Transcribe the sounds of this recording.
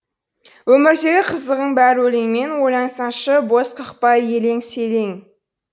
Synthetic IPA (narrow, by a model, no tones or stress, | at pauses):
wɵmɪɾd̪e̞ɡʲɪqʰəzəʁəɴbæɾwɵleŋme̞nwojɑɴsɑnʃəbo̞sqʰəqpɑje̞le̞ŋse̞le̞ŋ